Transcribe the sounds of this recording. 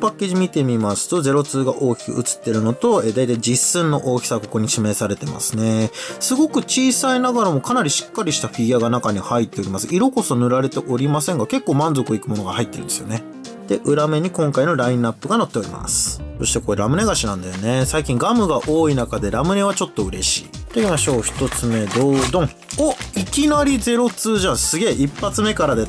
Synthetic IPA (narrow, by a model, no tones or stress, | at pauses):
pakːe̞ːʑimʲit̪e̞mʲimasɨ̥t̪o̞ze̞ɾo̞t͡sɨːɡaʔo̞ːkʲi̥kɯ̟̰ɯ̟t͡sɨ̥t̪ːe̞ɾɯ̟no̞t̪o̞eːd̪ajt̪aid͡ʑisɨ̃nːo̞̰ʔo̞ːkʲi̥saβko̞ko̞ɲ̟iɕime̞ːsaɾe̞t̪e̞ma̰sɨne̞sɨɡo̞kɯ̟t͡ɕiːsainaɡaɾamo̞kanaɾʲiɕi̥kːaɾʲiɕi̥t̪aɸʲiɡʲiaɡanakaɲ̟ihait̪ːe̞o̞ɾʲimasɨʔiɾo̞ko̞so̞nɯ̟ɾaɾe̞t̪e̞ʔo̞ɾʲimasẽ̞ŋɡake̞kːo̞ːmãnzo̞kɯikɯ̟mo̞no̞ɡahait̪ːeɾɯ̟nd̪e̞sɨjo̞ne̞ | d̪̥e̞ʔɯ̟ɾame̞ɲ̟ikõ̞ŋkaino̞ɾaĩnapːɯ̟ɡanot̪ːe̞o̞ɾʲḭma̰sɨ̥so̞ɕi̥t̪e̞ko̞ɾeɾamɯ̟ne̞ɡaɕinãnd̪ajone̞saikʲĩŋɡamɯ̟ɡaʔo̞ːinakad̪e̞ɾamɯ̟ne̞βat͡ɕo̞t̪ːo̞ɯ̟ɾe̞ɕḭːt̪o̞iːmaɕo̞ːçi̥t̪o̞t͡sɨme̞d̪o̞ːd̪õ̞ŋ | oikʲinaɾʲid͡ze̞ɾo̞t͡sɨːʑãɰ̃sɨɡe̞ːʔipːat͡sɨme̞kaɾad̪e̞